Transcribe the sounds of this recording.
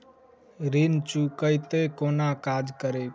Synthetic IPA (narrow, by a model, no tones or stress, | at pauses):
ɾint͡ʃukəjt̪ekonakad͡ʒkəɾe